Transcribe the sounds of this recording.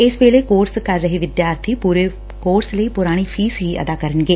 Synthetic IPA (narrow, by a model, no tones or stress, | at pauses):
ɪsʋeːleːkoːɾskəɾːəɦeːʋɪd̪jaːɾt̪ʰiːpuɾeː | koːɾsləiːpʊɾaːɽ̃iːpʰiːsɦiːə̰d̪aːkəɾənɡeː